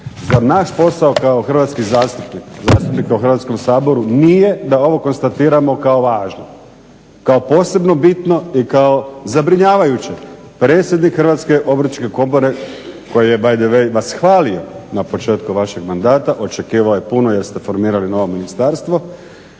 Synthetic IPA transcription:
zaɾnaʃpo̞saokaoxr̩ʋat̪skizaːst̪upnikza̰ːst̪upnikauxr̩ʋat̪sko̞msaːbo̞ɾunije̞d̪ao̞ʋo̞ko̞nst̪at̪iːɾamo̞kao̞ʋaːʒno | kao̞po̞ːse̞bno̞bit̪no̞ikao̞zabɾiɲaːʋajut͡ɕe | pɾeːt̪sʲjed̪nikxr̩ʋaːt̪ske̞ʔo̞bɾ̩t͡ʃke̞ko̞bo̞ɾe̞ko̞jije̞bajd̪eʋejʋasxʋaːlio̞napo̞t͡ʃe̞ːt̪kuʋaʃe̞ɡmand̪aːt̪aʔo̞t͡ʃe̞kiːʋaojepunoje̞ɾst̪e̞fo̞ɾmiːɾalino̞ʋo̞minist̪aːɾst̪ʋo̞

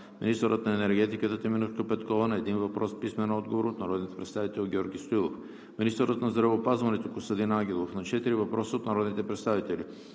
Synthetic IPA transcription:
minist̪əɾət̪nɐɛnɛɾɡɛt̪ikət̪ət̪ɛminuʃkəpɛt̪kɔvənɐɛd̪invɐpɾʔɔspismɛnɔd̪̚ɡovoɾot̪nɐɾɔd̪nit̪pɾɛt̪st̪avit̪ɛlˠɡʲɔɾɡʲist̪oilˠof | minist̪əɾət̪nɐzd̪ɾɐvəːpazvɐnɛt̪okost̪ɐd̪inaɡ̟ʲɛlˠofnɐt͡ʃɛt̪iɾivɐpɾɔsəot̪nɐɾɔd̪nit̪ɛpɾɛt̪st̪avit̪ɛli

